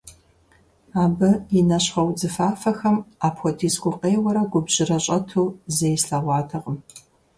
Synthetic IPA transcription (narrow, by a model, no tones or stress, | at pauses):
aːbɨjɪnɐɕχɐwd͡zɨfaːfɐxɐmaːpʰxʷɔdʰiːsɡʷʊqʼeːwɐɾɐɡʷʊbʑɪrɐɕʼɐtʰuːzejsɬɐʁʷɑːtʰɐʁəm